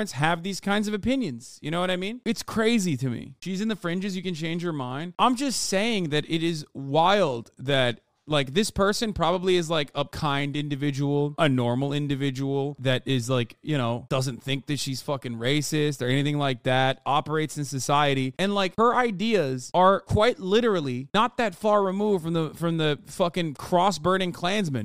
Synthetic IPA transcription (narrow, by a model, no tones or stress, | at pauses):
ɨ̃ntsɦɨvðiz̥kʰãɪ̃ndzʌvɨpɪ̃njɨ̃nz̥jɨñoʊwʌɾaɪmĩnɨtskʰɹ̥eɪziɾɨmḭʃizɨ̃nðɨfɹɪ̃nd͡ʒɨzjɨkɨ̃nt͡ʃʰẽɪ̃nd͡ʒjə˞mãɪ̃nd̥̚ʔãɪ̃md͡ʒʌstseɪɪ̃ŋðɨɾɪɾɪzwaɪlˠd̪̚ðɨt̚ | laɪk̚ðɪspʰɜ˞sɨ̃npʰɹ̥ɑbəbliɨzlaɪkʰəkʰãɪ̃ndɪ̃ndɨvɪd͡ʒəwl̩ˠʔənɔɹml̩ˠɪ̃ndɨvɪd͡ʒəwl̩ˠðɨɾɪzlaɪkjɨñoʊd̥ʌzɨ̃nθɪ̃ŋk̚ðɨtʃiz̥fʌkɪ̃ŋɹeɪsɪstə˞ɛñiθɪ̃ŋlaɪk̚ðæt̚ɑpə˞eɪtsɨ̃n̩sɨsaɪɨɾiɨ̃nlaɪkhə˞ʔaɪdiɨzə˞kʰw̥aɪtˡlɪɾə˞l̩ˠinət̪̚ðɨtfɑɹɹɨmuv̥fɹʌ̃mðəfɹʌ̃mðɨfʌkɨ̃ŋkʰɹ̥ɔsbɜ̃˞ɾɪ̃ŋkʰl̥æ̃nzmɨ̃n